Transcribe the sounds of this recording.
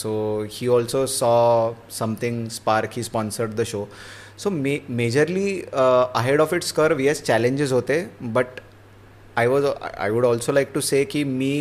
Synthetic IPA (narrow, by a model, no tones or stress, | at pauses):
sohiːɔlsosɔ | sʌ̃mt̪ʰɪ̃ŋspaɾkhiːspɔ̃nsəɾɖ̚d̪əʃo | somemed͡ʑəɾliəɦeɽɔfɪʈskəɾʋiɛst͡ɕælẽɲd͡ʑɪzɦot̪ebəʈ | ajʋɔz̰a̰jʋuɽɔlsolaɪk̚ʈusekimiː